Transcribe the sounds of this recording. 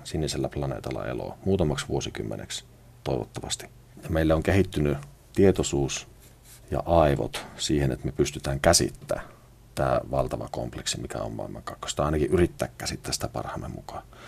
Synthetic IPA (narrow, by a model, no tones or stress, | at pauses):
sinːiselːæplɑnḛːt̪ɑlːɑ̰elo̰muːt̪ɑmɑksʋuosikymːḛnḛks | t̪oˑiʋo̰t̪ːɑʋɑst̪i̥ | jɑmeilːæoŋkehit̪ːyny | t̪iet̪osuːs | jɑ̰ʔɑˑiʋo̰t̪siːhenḛt̪mepyst̪yt̪æːŋkæsḭt̪ːæ̰ː | t̪æːʋɑlt̪ɑʋɑko̰mpleksimikæ̰o̰mmɑ̰ˑemːˑɑŋkɑkːo̥st̪ɑɑˑinɑkiʔyrit̪ːæːkːæsit̪ːæːsit̪æpɑ̰rhɑmːemmukɑ̥ː